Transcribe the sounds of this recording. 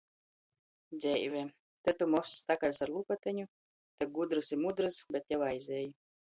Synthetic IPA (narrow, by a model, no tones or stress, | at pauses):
d̪zʲɛjvɛ | t̪ɨt̪umɔsst̪akalʲsaɾlˠupat̪ɛnʲu | t̪ɛɡud̪ɾɨsimud̪ɾɨsbʲɛt̪jawajzʲɛːj